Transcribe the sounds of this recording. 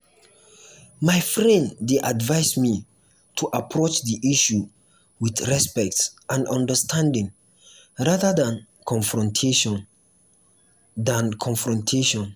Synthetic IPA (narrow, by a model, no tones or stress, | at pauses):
majfɹɛ̃nddeʔadvaɪsmi | tʰuʔapʰɹot͡ʃðiʔiʃu | wiθɹɛspɛk̚tsʔãnɔ̃ndəstʰãndɪ̃ŋ | ɹaðədãn | kʰɔ̃nfɹɔ̃ntʰe | dãnkʰɔ̃nfɹɔ̃ntʰeʃɔ̃n